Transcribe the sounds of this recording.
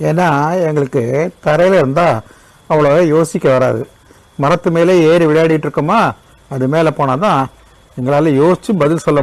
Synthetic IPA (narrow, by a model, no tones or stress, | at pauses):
eːnːaːɛŋɡɐɭɯkːɯt̪ɐɾɐjɪlɪɾɯnd̪aː | ɐʋɐɭoːeːjoːsɪkʲːɐʋɐɾa̰ːðɯ | mɐɾɐt̪ːɯmeːleːeːɾɯʋɪɭɐjaːɽɪjɪʈːɾɯkːɯmaː | ɐðɯmeːlɛpoːnaːt̪ãː | ɛŋɡɐɭaːlɐjoːsɪt͡ʃːɯbɐðɪlsɔlːɐ